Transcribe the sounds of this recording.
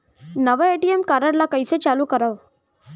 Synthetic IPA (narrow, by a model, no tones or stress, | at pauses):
nəʋəeʈiemkaɾəɽlakəjset͡ɕaluːkəɾaʋ